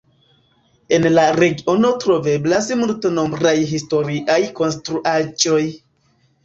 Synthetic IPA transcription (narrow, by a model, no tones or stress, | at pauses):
e̞nlaɾe̞ɡio̞no̞tɾo̞ve̞blasmulteno̞mbɾajɦisto̞ɾiʔajko̞nstɾuʔad͡ʒo̞j